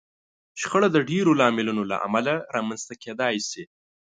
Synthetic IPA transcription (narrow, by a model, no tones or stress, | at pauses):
ʃxəɽad̪əɖeɾolɑmɪlunola̰ʔa̰malaɾɑmanz̥t̪aked̪ɑjsi